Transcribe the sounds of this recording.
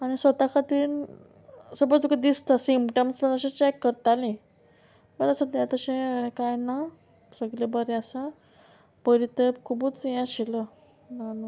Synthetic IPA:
anisʋət̪akʰat̪in | səbət͡sokəd̪ist̪asimpʈəmsmənəɕãt͡ɕɛkːəɾt̪alĩ | məəsad̪jãt̪əɕẽkajna | səɡlebəɾeəsa | pəɾit̪əpkʰubut͡sjãɕelə | nanu

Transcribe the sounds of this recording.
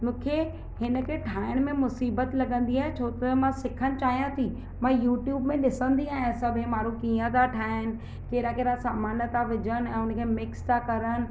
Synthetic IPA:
mũːkʰe | hɪnə̆kʰeʈʰaːɪɽ̃mẽmʊsiːbət̪lɐɠə̃nd̪iaːɦet͡ɕʰoːt̪əmãsɪkʰəñɪ̆t͡ɕaːɦijãt̪ʰi | mãːjuːʈjuːbmẽɗɪsə̃nd̪iaːɦɪ̃sɐbʱɪ̃mãːɾukiːə̃t̪aʈʰaːɪn̆ | keːɾakeːɾasaːmaːnət̪ʰaʋɪd͡ʑənɛ̃ːʊnəkʰeːmɪkst̪ʰakɐɾən̆

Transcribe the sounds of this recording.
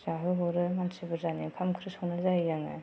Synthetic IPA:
zaɦɯɦɔɾɯmansɯbɯɾzanikʰamkʰɾɯsɔwnazaijaŋɯ̰

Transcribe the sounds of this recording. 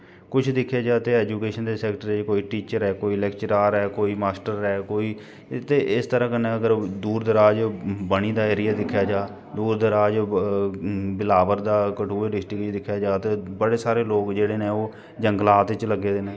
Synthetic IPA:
kʊt͡ʃʰd̪ɪkʰːjaːd͡ʒaːt̪eːɛːd͡ʒuːkeːʃənd̪eːsɛːkʈəɾet͡ʃkoːiːʈiːt͡ʃəɾɛːkoːiːlɛːkt͡ʃəɾaːɾɛːkoːiːmaːsʈəɾɛːkoːiː | t̪eːɪst̪əɾãːkənẽːəɡəɾd̪uːɾd̪əɾaːd͡ʒbəɽ̃iːd̪aːeːɾijaːd̪ɪkʰːjaːd͡ʒaː | d̪uːɾd̪əɾaːd͡ʒ | bɪlaːʋəɾd̪aːkəʈʰuːeːɾɪʃʈiːkʊt͡ʃʰd̪ɪkʰːjaːd͡ʒaːt̪eːbəɽeːsaːɾeːloːkd͡ʒeːɽeːneːoː | d͡ʒəŋɡlaːt̪ɪt͡ʃləɡːeːd̪eːneː

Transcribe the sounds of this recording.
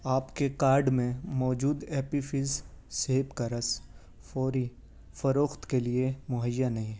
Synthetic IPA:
aːpkekaːɾɖmẽmɔːd͡ʒuːd̪ɛːpifɪz | seːpkɐɾəs | foːɾi | fɐɾoːxt̪keliemʊɦəjːanɐɦĩ

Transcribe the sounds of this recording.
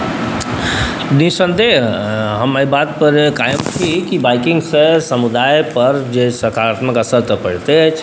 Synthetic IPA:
nĩsə̃nd̪eɦəmaibaːt̪̚pəɾkaːjəmt̪ʰikibaːɪkɪ̃ŋɡsesəmud̪aːjpəɾd͡ʒesəkaːɾaːt̪məkəsəɾt̪əpəɽ̤t̪eɦt͡ʃʰ

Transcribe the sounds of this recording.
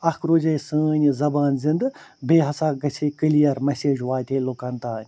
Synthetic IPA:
ɐkʰɾoːd͡ʒɐjsəːnʲzɐbaːnzind̪beːɦɐsaːɡɐsʰekɨlijɐɾmɐseːd͡ʒʋaːt̪ʲeːlokɐnt̪aːnʲ

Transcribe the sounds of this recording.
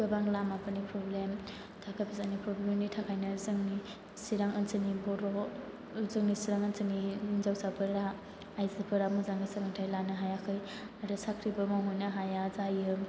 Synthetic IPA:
bɯbaŋlamapɯnipʰɾɔblem | tʰakʰajpʰizanipʰɾɔblemnitʰakʰajnɯzɯŋni | siɾaŋɯnsɯnibɔɾo | zɯŋnisiɾaŋənsɯniinzawsapʰɯɾaː | jzapʰɯɾamɔzaŋɯsaɾaŋtʰajlanɯɦajakʰɯj | aɾɯsakʰɾibɯmawɦojnaɦajazajɯm

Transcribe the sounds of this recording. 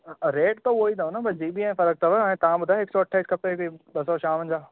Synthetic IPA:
ɾeːʈt̪ooːit̪aonabɐd͡ʑiːbiãfɐɾək̚t̪ʰɐʋəːẽt̪ɐʋãbʊd̪ʱaɦeksɔːɐʈʰːaːiskɐpekoiɓɐsɔʃãːʋə̃ɲd͡ʑaː

